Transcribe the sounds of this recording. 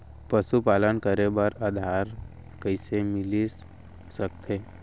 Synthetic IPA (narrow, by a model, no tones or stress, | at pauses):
pəʃupaːlənkəɾebəɾad̪ʱaːɾ | kəɪsemɪli | sək̚t̪ʰeː